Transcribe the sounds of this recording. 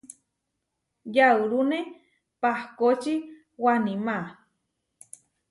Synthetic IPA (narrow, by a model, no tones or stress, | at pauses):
jauɾune | pahkot͡ʃi | wanima